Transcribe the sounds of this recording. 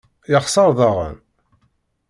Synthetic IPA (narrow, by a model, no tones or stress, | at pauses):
jəχsˤɑɾˤðˤɑʁə̰n